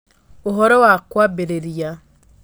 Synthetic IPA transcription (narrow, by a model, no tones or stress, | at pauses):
oɦɔɾɔwakwabeɾeɾja